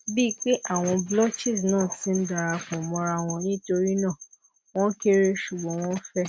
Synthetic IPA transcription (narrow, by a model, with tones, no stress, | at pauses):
bi˦k͡pe˦ʔa˦˨w̃ɔ̃˧blɔ˦t͡ʃi˦˨snãː˦˨tĩ˦n̩˦da˨ɾa˧kɔ̃˨mɔ̃˧ɾa˧˨w̃ɔ̃˧nĩ˦to˧ɾi˦nãː˦˨ | w̃ɔ̃˦ke˦ɾe˦ʃu˨ɡ͡bɔ̃˨˦w̃ɔ̃˦fɛ˦